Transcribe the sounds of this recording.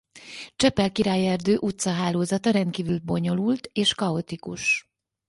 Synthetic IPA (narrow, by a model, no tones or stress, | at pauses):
t͡ʃɛpɛlkiɾaːjɛrd̪øːʔut̪sɒɦaːloːzɒt̪ɒɾɛnt̪kiːvylbo̞ɲo̞lult̪eːʃkɒot̪ikuʃ